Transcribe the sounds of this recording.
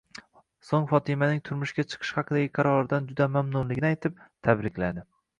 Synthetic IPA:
soŋfɒt̪ʰɪmanɪŋt̪ʰʊɾmʊʃkʲat͡ʃʰɨ̥qʰɨ̥ʃhɑqʰɨd̪aɡʲɪqʰɑɾɒɾɪd̪and͡ʒʊd̪amamnʊnlɪɡʲɪnɪajt̪ʰɪp̚t̪ʰabɾɪkʲlad̪ɪ

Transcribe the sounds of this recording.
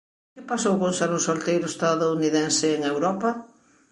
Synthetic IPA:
kɪpasowkõnsaɾʊ̃solt̪ejɾʊest̪aðouniðɛnsɪːŋewɾɔpɐ

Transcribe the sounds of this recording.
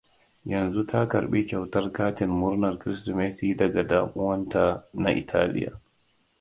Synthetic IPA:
janzutʰaka̰ɾɓikʲɛwtaɾkaːtinmuɾnaɾkɾistɔmetiːdaɡadaːmuwantanaʔḭtʰaːlḭja̰

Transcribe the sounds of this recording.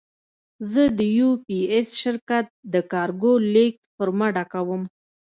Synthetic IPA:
zəd̪əjupiesʃɪɾkat̪̚d̪əkɑɾɡolek̚pəɾmaɖakawəm

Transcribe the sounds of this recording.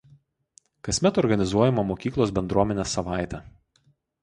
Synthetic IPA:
kɐsʲmʲɛt̪ɔɾɡɐnʲɪzuɔjɛmɐmokʲiːklˠoːs̬bʲɛnd̪ɾuɔmʲɛnʲeːsɐʋɑˑɪt̪ʲɛ

